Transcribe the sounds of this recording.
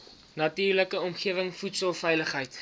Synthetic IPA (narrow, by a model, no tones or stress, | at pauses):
nɐtiːrləkəɔmχiəvəŋfutsəlˠfɛjləχɦəjt